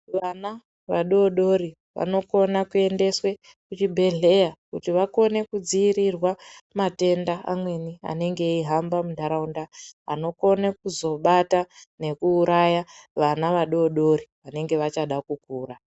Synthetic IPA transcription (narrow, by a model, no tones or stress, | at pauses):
ʋana | ʋaɗoɗo̞ɾi | ʋa̰no̞ko̞nakue̞nde̞swe̞ | kut͡ʃibʱe̞ɮe̞jakutiʋako̞ne̞kud͡ziːɾirwamate̞ndaa̰mwe̞nia̰ne̞ŋɡe̞iɦambamudʱaɾaundaa̰no̞ko̞nekuzo̞ɓatane̞kuːɾʔajaʋanaʋaɗooɗo̞ɾiʋane̞ŋɡe̞ʋat͡ʃaɗakukuːra